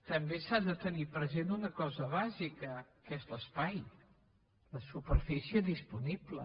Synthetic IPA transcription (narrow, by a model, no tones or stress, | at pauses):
t̪əmbesaðət̪ənipɾəzent̪unəkɔzəβazikəkezləspaj | ləsupəɾfisiəðispuniblə̰